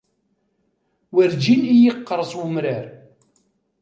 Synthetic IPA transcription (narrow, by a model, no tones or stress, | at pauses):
wəɾd͡ʒinijəqːəɾˤsˤwəmɾəɾ